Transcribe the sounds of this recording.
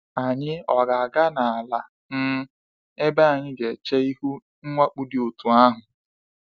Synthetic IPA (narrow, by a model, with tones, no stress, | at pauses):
a˨ɲɪ˦ɔ˨ɡa˨a˨ɡa˦na˨a˨la˨ | n̩˦ | e˦ba˦a˨ɲɪ˦ɡe˨t͡ʃe˦i˦ɦu˦ | ŋ̩˦ŋʷa˦k͡pu˦dɪ˨o˨tu˨a˦ɦʊ˨